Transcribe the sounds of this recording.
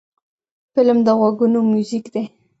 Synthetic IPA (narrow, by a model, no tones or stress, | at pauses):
fɪlmd̪əɣwaɡunomjuzikd̪e